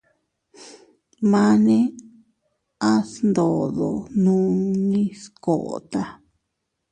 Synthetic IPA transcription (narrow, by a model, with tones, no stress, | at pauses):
mã˦˧nẽ˦ | a˦snd̪o˨ðo̰˨nũː˦nĩ˦sko˨ʔt̪a˧